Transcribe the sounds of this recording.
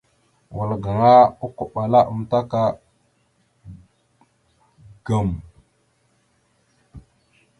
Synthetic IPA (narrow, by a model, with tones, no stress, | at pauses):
wə˨lɡa˨ŋa˦u˦ku˨ɓa˨la˦ʔə˨mta˦ka˦ | ɡa˨m